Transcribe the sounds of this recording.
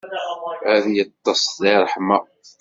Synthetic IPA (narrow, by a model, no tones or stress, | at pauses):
æðjət̪ˤːɑsˤðiɾˤħmæ